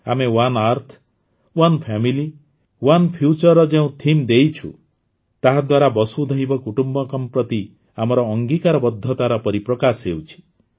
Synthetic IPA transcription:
a̰mewanaɾt̪ʰ | wɔnpʰamili | wanpʰjut͡ʃɔɾɔd͡ʒeũt̪ʰimd̪ejt͡ʃʰṵ | t̪aɦad̪waɾabɔsud̪ʱɔɦibɔkuʈumbɔkɔmpɾɔt̪i | amɔɾɔːŋɡikaɾɔbɔd̪ʱːɔt̪aɾɔpɔɾipɾɔkasɦewt͡ʃʰi̥

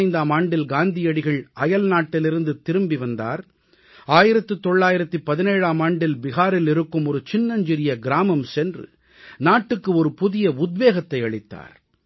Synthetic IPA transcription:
ɪnd̪aːmaːɳɖɪlɡaːnd̪ɪjɐɽɪɣɐɭɐjɐlnaːʈːɪlɪɾɯnd̪ɯt̪ɪɾɯmbiʋɐnd̪a̰ːɾ | aːjɪɾɐt̪ːɯt̪ɔɭːaːjɪɾɐt̪ːipɐðɪneːɻaːmaːɳɖɪlbɪɣaːɾɪlɪɾɯkːɯmɔɾɯt͡ʃɪnːɐɲd͡ʒɪɾɪjɐɡɪɾaːmɐmsɛndrɯ̰ | naːʈːɯkːɯɔɾɯpʊðɪjɐʊd̪ʋeːɣɐt̪ːɐɪɐɭɪt̪ːa̰ːɾ

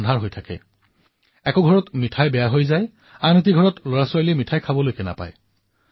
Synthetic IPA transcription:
ndʱaɹɦojtʰakɛ̰ | ɛkɔɡʱɔɹɔtmitʰajbɛjaɦojzaj | anit̬iɡʱɔɹɔtloɹaswajlemitʰajkʰabɔlojkɛna̰pa̰j

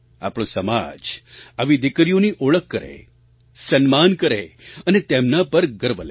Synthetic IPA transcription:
a̰pɽ̃õsəmad͡ʒaʋid̪ɪkɾijoniʔoɭəkːəɾḛ | sənmankəɾḛənet̪emnapəɾɡəɾʋəlḛ

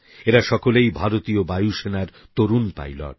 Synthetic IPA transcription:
eɾaʃɔkolejbʱaɾot̪iobajuʃenaɾ | t̪oɾunpa̰jlɔ̰ɾ

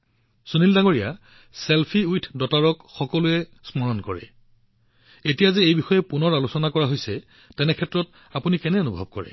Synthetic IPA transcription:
sonildaŋoɹija | selpʰiujtʰdɔtaɹɔkxɔkɔlʊɛsmɔɹɔnkɔɹɛ̰ | etijazɛejbixɔjɛpunɔɹalusɔnakɔɹaɦojsɛ | tɛnɛkʰɛtɹɔt | apunikɛnɛonubʱɔ̰b̚kɔɹɛ̰

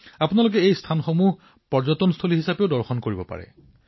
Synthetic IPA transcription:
apunalok̬ɛejst̪ʰanxomuɦ | pɔɹzɔtɔnst̪ʰoliɦisapeʊdɔɹxɔnkoɹibɔpa̰ɹɛ̰

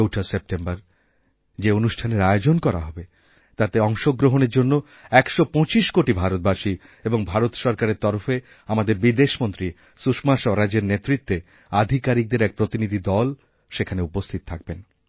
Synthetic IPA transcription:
owʈʰasep̚ʈembaɾ | d͡ʑeonuʃʈʰaneɾaeod͡ʑonkɔɾa̰ɦɔbe | t̪at̪eɔŋʃoɡɾoɦoneɾd͡ʑonːo | ɛkʃopɔ̃t͡ɕiʃkoʈibʱaɾot̪̚baʃi | eboŋbʱaɾot̪ʃɔɾkaɾeɾt̪ɔɾofe | amad̪eɾbid̪eʃmont̪ɾi | suʃmaʃɔɾad͡ʑeɾnet̪ːɾit̪ːe | ad̪ʱikaɾik̚d̪eɾɛk̚pɾot̪inid̪ʱid̪ɔl | ʃekʰaneupost̪ʰit̪ot̪ʰak̚ben

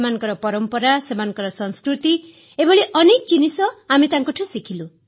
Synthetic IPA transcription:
manɔ̃ŋkɔɾɔpɔɾɔmpɔɾasemanɔ̃ŋkɔɾɔsɔ̃nskɾut̪i | ebʱɔɭiʔɔnekɔt͡ʃinisɔamit̪aŋkuʈʰɔ̃sikʰilu

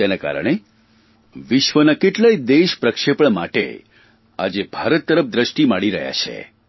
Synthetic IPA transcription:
enaka̰ɾə̰ɽ̃e | ʋɪʃʋənakeʈlaid̪eʃpɾəkʃepəɳ̃maʈḛ | a̰d͡ʒebʱaɾət̪ːəɾəpd̪ɾəʃʈimaɽiɾəɦja̰t͡ʃʰḛ

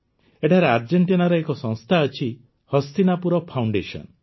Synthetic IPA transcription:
eʈʰaɾeaɾd͡ʒeɳʈinaɾɔekɔsɔ̃ŋst̪ʰaət͡ʃʰi | hɔst̪inapuɾɔpʰawɳɖesɔ̰n

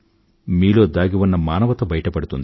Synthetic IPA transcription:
miːlo̞ːd̪aːɡiʋunːɐmaːnɐʋɐt̪ɐbɐjɐʈɐpɐɽut̪und̪

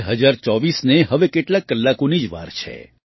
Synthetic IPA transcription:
ɦəd͡ʒaɾt͡ʃɔʋisneɦəʋekeʈlakːəlːakonid͡ʒʋa̰ɾt͡ʃʰḛ

